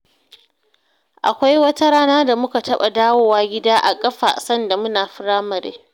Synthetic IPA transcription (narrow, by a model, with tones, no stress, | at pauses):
ʔa̰˨kʷa˦jwɐ˦ta˦ɽaː˦naː˦da˨mʊ˦ka˨tɐ˦ɓa˨daː˦woː˦waː˦ɡʲɪ˦daː˦ʔa̰˨kʼɐ˦ɸa̰˨sɐ˦nda˨mʊ˦naː˨ɸɪ˦ɽaː˦mɐ˨ɾḛː˦